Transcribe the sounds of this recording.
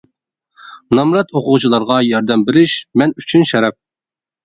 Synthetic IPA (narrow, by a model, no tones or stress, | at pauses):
nɑmɾɑt̪oqʊʁt͡ʃʰilˠɑɾʁɑjɑɾd̪ɛmbɪɾɪʃmɛnyt͡ʃʰynʃɛɾɛp̚